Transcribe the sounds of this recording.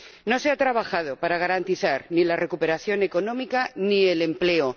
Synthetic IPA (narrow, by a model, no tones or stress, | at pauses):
no̞se̞at̪ɾaβaxað̞o̞paɾaɣ̞aɾant̪iθaɾnilare̞kupe̞ɾaθjo̞ne̞ko̞nõ̞mikanie̞le̞mple̞o